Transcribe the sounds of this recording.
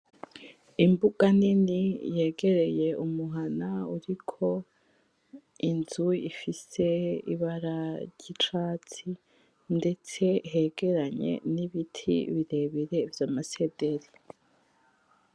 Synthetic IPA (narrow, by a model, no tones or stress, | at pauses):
imbuɡ̥aninije̞ːɡe̞ɾe̞je̞ʔumuɦanauɾikʰo̞ | inzuḭfise̞ḭβaɾaɾɟit͡ʃaːt͡si | nde̞t͡se̞ɦe̞ːɡ̥e̞ɾaɲe̞̰niβitʰḭβiɾe̞βiɾe̞vjaːmase̞de̞ɾi